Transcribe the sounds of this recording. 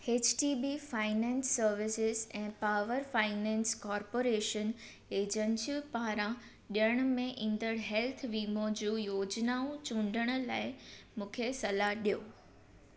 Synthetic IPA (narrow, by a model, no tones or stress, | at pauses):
eːt͡ɕʈiːbifaːɪnɛ̃ːnsːəɾʋɪsɪzɛ̃ːpaːʋəɾfaːɪnɛ̃ːnskɔːɾpoːɾeːʃən | eːd͡ʑə̃nsiupaːɾã | ɗijəɽ̃mẽʔĩːnd̪əɽɦɛːlt̪ʰʋiːmod͡ʑuːjoːd͡ʑnaːũt͡ɕũːɳ̆ɖʱəɽ̃ʊ̆laːɪmũːkʰesɐlaɦɗijoː